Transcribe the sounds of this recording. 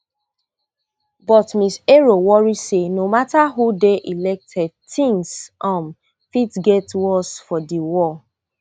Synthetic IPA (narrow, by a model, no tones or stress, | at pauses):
bɔtmiseɹowɔɹisenomataɦudeʔilɛk̚tʰɛd̚tĩŋsʔɔ̃m | fitɡetwɔsfɔdiwɔ